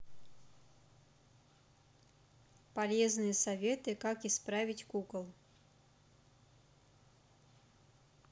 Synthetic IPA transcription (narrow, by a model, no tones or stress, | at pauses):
pɐlʲeznɨjəsɐvʲet̪ɨkakɪspɾavʲɪtʲkukəlˠ